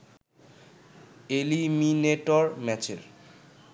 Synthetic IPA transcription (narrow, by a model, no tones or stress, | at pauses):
elimineʈoɾmɛt͡ɕḛɾ